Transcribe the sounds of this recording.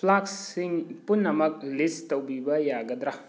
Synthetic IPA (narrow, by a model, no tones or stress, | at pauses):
pʰlaksiŋpunːɐmɐk̚listɐwbibɐjaɡɐd̪ɾa